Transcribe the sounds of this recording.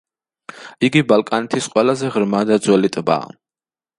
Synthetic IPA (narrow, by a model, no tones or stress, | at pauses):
iɡibalˠkʼanɛt̪ʰisqʼwɛlazɛʁɾmad̪ad̪zwɛlit̪ʼba̰ː